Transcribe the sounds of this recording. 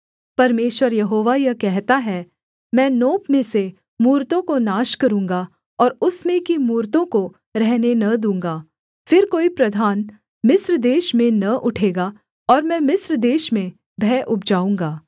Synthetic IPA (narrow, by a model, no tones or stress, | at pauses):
pɐɾmeːʃwəɾjɐɦoːʋajɐkɛɦt̪aɦɛ | mɛ̃ːnoːpmẽse | muːɾt̪õkonaːʃkɐɾũːŋɡa | ɔːɾʊsmẽkimuːɾt̪õko | ɾɛɦnenɐd̪ũːŋɡaː | fɪɾkoːipɾɐd̪ʱaːn | mɪsɾd̪eːʃmẽnɐʔʊʈʰeːɡa | ɔːɾmɛ̃ːmɪsɾd̪eːʃmẽ | bʱɛːʔʊp̚d͡ʒaːũːŋɡaː